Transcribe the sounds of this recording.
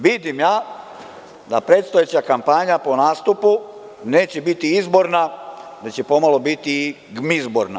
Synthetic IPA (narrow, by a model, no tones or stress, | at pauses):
ʋid̪imjaː | d̪apɾe̞ːt̪st̪ojet͡ɕakampaɲapo̞naːst̪upu | ne̞ːt͡ɕebit̪iizbo̞ɾnad̪at͡ɕepo̞malo̞bit̪i | ɡmizbo̞̰ɾna̰